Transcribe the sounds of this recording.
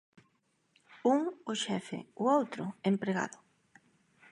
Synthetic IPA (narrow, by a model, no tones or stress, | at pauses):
uŋoʃɛfḛoowt̪ɾʊempɾeɣa̰ðʊ